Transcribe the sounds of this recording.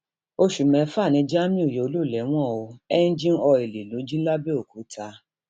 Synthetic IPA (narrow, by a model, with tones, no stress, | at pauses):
o˧ʃu˨mɛ̃˨˦fa˦˨nĩ˨˦d͡ʒa˦mĩ˦u˦˨jo˨o˧lu˦˨lɛ˨˦w̃ɔ̃˦˨o˧ɛ˦n̩˦d͡ʒĩ˦n˦ɔ˧e˨le˨lo˨˦d͡ʒĩ˦la˦be˦o˨ku˨˦tʰa˧